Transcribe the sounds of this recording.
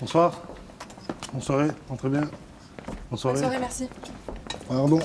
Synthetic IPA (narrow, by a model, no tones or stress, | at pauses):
b̥ɔ̃swaːʁ | bɔ̃swaʁeɑ̃t̪χɛbjɛ̃ | b̥ɔ̃swaʁeʁmɛsi | paʁd̪ɔ̃